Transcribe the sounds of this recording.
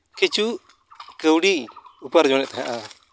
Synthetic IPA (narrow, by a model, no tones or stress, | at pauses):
kit͡ʃu | kəwɽiupəɾd͡ʒɔnɛʔt̪aɦa̰ʔa